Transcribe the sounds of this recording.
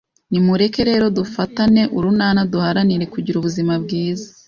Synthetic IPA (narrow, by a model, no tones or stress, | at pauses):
nimuɾe̞ke̞ɾe̞ːɾo̞dufatane̞ʔuɾunaːnaduhaɾaniɾe̞kuɟiɾuβuzimabɡiːza